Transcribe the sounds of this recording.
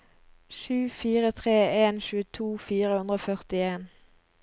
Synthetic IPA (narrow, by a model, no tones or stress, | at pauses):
ʃʉːfiːʁət̪ʰʁeːeːnʃʉːət̪ʰuːfiːʁəhʉnd̪ʁəoːfœʁt̪ɪeːn